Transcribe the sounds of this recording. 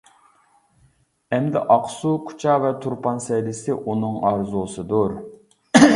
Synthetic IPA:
ɛmd̪ɪ̰ʔɑqsukʰu̥t͡ʃʰɑvɛt̪ʰuɾpʰɑnsɛjlɪsɪʔunɨŋɑɾzusɨd̪uɾ

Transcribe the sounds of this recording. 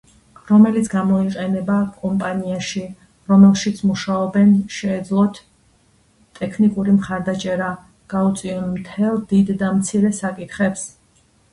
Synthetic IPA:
ɾɔmɛlit̪sʰɡamɔiqʼɛnɛbakʼɔmpʼaniaʃi | ɾɔmɛlˠʃit̪sʰmuʃaɔbɛnʃɛːd̪zlˠɔt̪ʰ | t̪ʼːɛkʰnikʼuɾimχaɾd̪at͡ʃʼɛɾa | ɡ̥aut̪sʼiɔnmt̪ʰɛlˠd̪id̪ːamt̪sʰiɾɛsakʼit̪ʰχɛps

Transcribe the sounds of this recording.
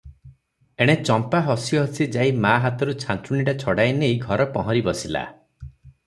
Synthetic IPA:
eɽ̃et͡ʃɔmpaɦɔsiɦɔsid͡ʒaimaɦat̪ɔɾut͡ʃʰant̪ɾuɽiʈat͡ʃʰɔɽajnejɡʱɔɾɔpɔɦɔɾibɔsila̰

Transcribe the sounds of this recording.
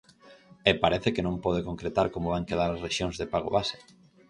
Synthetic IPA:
epaɾɛθekenõmpɔð̞ekoŋkɾet̪aɾkomoβaŋkeð̞aɾasreʃjoŋzðepaɣ̞o̰βase̥

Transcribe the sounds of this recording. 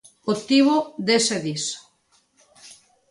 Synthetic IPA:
ot̪iβoðeseðis

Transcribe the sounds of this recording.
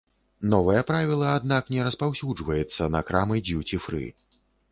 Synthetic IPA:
nɔvɐjɐpɾavʲilˠɐad̪naknʲɛɾɐspawsʲud͡ʐvɐjɛt̪sːɐnɐkɾamɨd͡zʲuwt͡sʲifɾɨ̰

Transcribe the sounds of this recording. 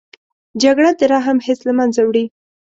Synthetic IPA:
d͡ʒaɡɽad̪əɾɑɦamhɪslamanzawɽi

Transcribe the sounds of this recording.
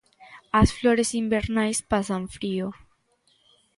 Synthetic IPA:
asflo̞ɾesimbeɾnajspasaɱfɾio

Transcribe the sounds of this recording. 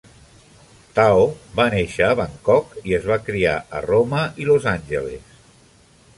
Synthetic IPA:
t̪aoβaneʃəːβəŋkɔkiəzβakɾia̰ʔə̰roməilozanʲʒə̰lḛs

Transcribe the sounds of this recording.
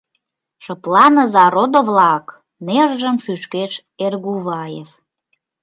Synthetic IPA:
ʃəplɑnəzɑɾod̪ovlɑk | neʒʒəmʃyʃkeʃ | erɣuβɑjef

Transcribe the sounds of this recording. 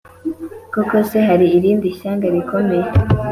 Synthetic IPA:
kokoseɦaɾiːɾiːndiçaːŋɡaɾiko̞me̞je

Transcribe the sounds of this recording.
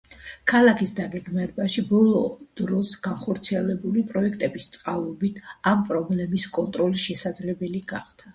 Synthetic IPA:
kʰalˠakʰisd̪aɡɛɡmaɾɛbaʃibɔlˠɔd̪̥ɾɔsɡ̥anχɔɾt̪sʰiɛlɛbulipʼɾɔɛkʰt̪ʼɛbist̪sʼqʼalˠɔbit̪ʰampʼɾɔblɛmiskʼɔnt̪ʼɾɔlisʃɛsad̪zlɛbɛliɡa̰χd̪̥ʰa

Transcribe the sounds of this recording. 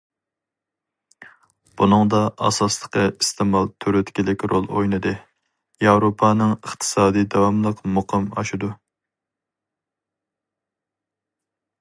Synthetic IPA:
b̥unɨŋd̪ɑʔɑ̰sɑslˠəqʰəist̪ʰɪmɑlˠt̪ʰøɾøt̪kʲilɪkʲɾolˠo̰jnɨd̪ɨ | jɑwɾopʰɑnɨŋəχt̪ʰɨ̥sɑːd̪ijd̪ɑwɑmlˠəqmoqʰɨmɑ̰ʃud̪u

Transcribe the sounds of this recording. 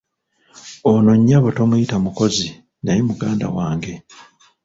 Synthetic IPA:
ono̞ɲːaβoto̞mujitamuko̞zi | najemuɡaːnda̰waːŋɡe̞

